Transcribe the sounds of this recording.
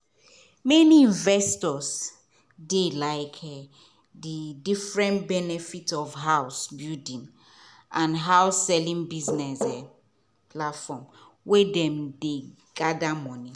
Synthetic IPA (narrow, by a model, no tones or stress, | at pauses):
mɛniĩnvɛstɔs | delaɪkʰ | didifɹɛ̃ntbɛnɛfitɔfɦawsbidĩn | ʔãnɦaʊsːɛlĩŋbiznɛsɛ | pʰlatfɔ̃m | wɛdɛ̃mde | ɡadamɔ̃ni